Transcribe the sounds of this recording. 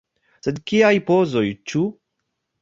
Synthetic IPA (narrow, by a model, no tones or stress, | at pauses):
sed̪kiajpozojt͡ʃu